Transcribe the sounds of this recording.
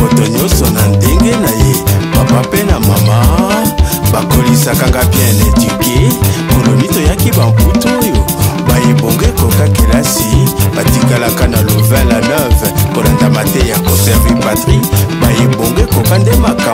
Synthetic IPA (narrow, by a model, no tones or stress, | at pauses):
motoɲɔsɔnandeŋɡenajepapapenamama | bakolisakaŋɡabjɛ̃netikekolonitojakibamkutujobajeboŋɡekokakilasib̥atiɡalakanalovɛ̃lanɛfkolandamatɛjakosɛʁvipatʁibajeboŋɡoekokandemaka